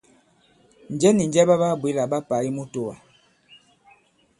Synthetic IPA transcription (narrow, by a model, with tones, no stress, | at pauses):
n̩˨d͡ʒɛ˦ni˨n˨d͡ʒɛ˦ba˦ba˦˨bwe˦la˨ba˦pa˨i˦mu˦to˦wa˨